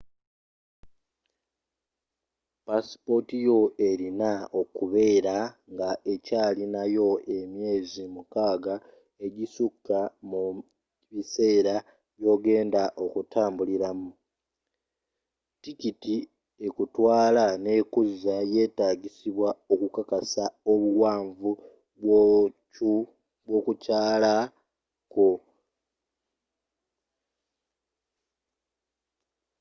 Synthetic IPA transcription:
paspo̞tijo̞e̞ɾinao̞kuβe̞ːɾaŋɡaʔe̞caːlinajo̞ʔe̞mje̞ːzimukaːɡa | e̞ɟisukːamu | βise̞ːɾa | jo̞ːɡe̞ːndaʔo̞kutʰaːmbuliɾamu | tikiti | e̞kutwaːlane̞kuzaje̞ːtaːɡisiβwao̞kukakasao̞βuwaːɱvu | u | βwo̞kucaːla | ko̞

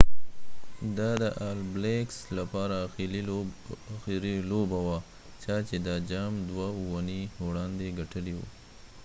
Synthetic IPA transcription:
d̪ɑd̪əʔɑlblekslapɑɾal | xiɾilobawa | t͡ʃɑt͡ʃed̪ɑd͡ʒɑmd̪wauwanihoɽɑnd̪eɡaʈəliwṵ

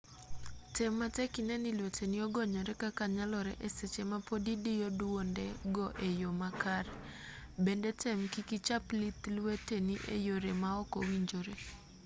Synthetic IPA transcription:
tɛmːatɛkinɛnilwetenɪɔɡɔɲɔɾɛkakaɲalɔɾɛ̰ʔeset͡ʃemapodidɪjodwondɛɡɔʔejomakaɾ | bendetɛmkikit͡ʃaplit̪lweteniʔḛjoɾemaɔkɔwiɲd͡ʒoɾe

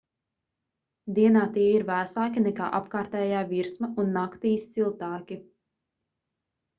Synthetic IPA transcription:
d̪iɛnaːt̪iɛiɾvæsaːkʲinɛka̰ːʔapkaːɾt̪ɛːjaːviɾsmɐunːakt̪iːst̪silˠt̪aːkʲi

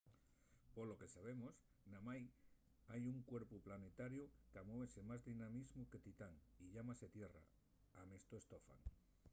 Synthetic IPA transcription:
polo̞ke̞saβ̞e̞mos | namaj | ajuŋkwe̞ɾpuplanet̪aɾjukamoβese̞mazðinamizmuke̞t̪it̪aŋiʎamaset̪je̞ra̰ | amest̪oest̪ofa̰ŋ

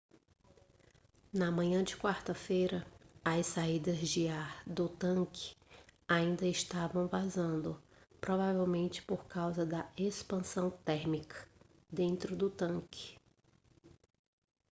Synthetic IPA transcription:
nɐmɐ̃ɲɐ̃d͡ʒɪkwaɾt̪ɐfejɾɐɐssaid̪ɐzd͡ʒɪaɾd̪ʊt̪ɐ̃kɪ̥aĩnd̪ɐɪʃt̪avɐ̃w̃vazɐ̃nd̪ʊ | pɾovavewmẽnt͡ʃɪ̥poɾkawzɐd̪ɐespɐ̃sɐ̃w̃t̪ɛɾmikʰɐ̥ | d̪ẽnt̪ɾʊd̪ʊt̪ɐ̃kʰɪ̥

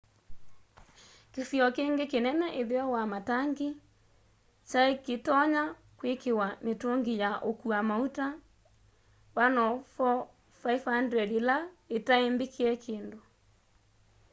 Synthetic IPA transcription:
keθjɔkeŋɡekenɛnɛʔeðeɔwamataŋɡe | t͡ʃaeketɔɲa | kwekewametoŋɡijaʔokuamauta | wanɔfɔ | faifandɛdilaetaembekʰeɛkʰeːndo

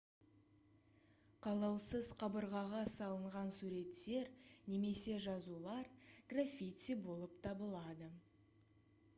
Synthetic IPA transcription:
qʰɑlˠɑwsəzqʰɑbəɾʁɑʁɑsɑlˠəɴʁɑnsuɾe̞t̪ːe̞ɾne̞me̞se̞ʒɑzulˠɑɾɡ̥rafʲijt̪ibo̞lˠəpt̪ʰɑbəlˠɑd̪ə

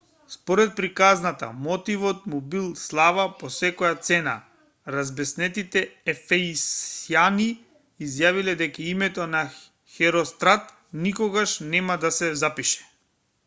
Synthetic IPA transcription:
spɔɾɛt̪̚pɾikaznat̪a̰mɔt̪ivɔt̪mubilˠslˠavapɔsɛkɔjat̪sɛna | ɾazbɛsnɛt̪it̪ɛɛfɛisijaniː | zjavilɛd̪ɛkaimɛt̪ɔna | xɛɾɔst̪ɾat̪ | nikɔɡaʃnɛmad̪asɛzapiʃɛ̥

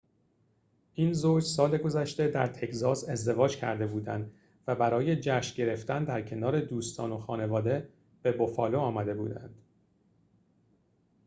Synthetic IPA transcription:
ʔiːnzoːd͡ʒsɒːle̞ɡo̞zæʃt̪e̞d̪æɾt̪ʰe̞cʰzɒːse̞zd̪e̞vɒːd͡ʒcʰæ̰ɾd̪e̞buːd̪ænd̪ | væbæɾɒːje̞d͡ʒæːʃɟe̞ɾe̞ft̪ænd̪æɾcʰe̞nɒːɾe̞d̪uːst̪ʰɒ̰ːno̞xɒːne̞vɒːd̪e | b̥e̞bofɒːloɒːmæd̪e̞bṵːd̪æ̰nd̪̥

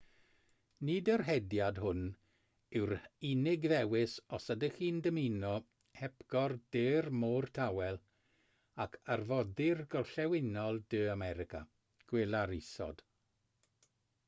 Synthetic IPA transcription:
nidərɦɛdjadɦʊn | ɪwɾinɪɡðɛwɪsɔsədəxiːndəminɔ | hɛpɡ̥ɔrdeːrmoːrtʰawɛlˠ | akʰarvɔdɪrɡɔlˠɬɛwɪnɔlˠdɨːamɛɾɪkʰa̰ | ɡ̥wɪlˠaɾɪsɔ̰d̥

